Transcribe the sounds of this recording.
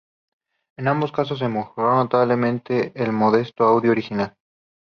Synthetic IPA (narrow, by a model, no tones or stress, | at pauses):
enãmbo̞skas̬os̬emoxoɾonot̪aβle̞mẽnt̪e̞ʔːlmo̞ð̞e̞st̪oawðjoɾixinal